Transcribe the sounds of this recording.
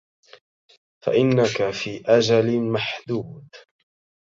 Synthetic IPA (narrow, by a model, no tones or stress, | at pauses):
fa̰ʔɪnːakafiːʔad͡ʒalɪmaħd̪uːd̪